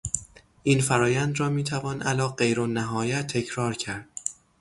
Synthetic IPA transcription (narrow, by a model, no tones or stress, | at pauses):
ʔiːnfæɾɒːjænd̪ɾɒːmiːt̪ʰævɒːnʔælɒːɢejɾonæɦɒːjæt̪ʰːe̞cʰɾɒːɾcʰæɾd̪̥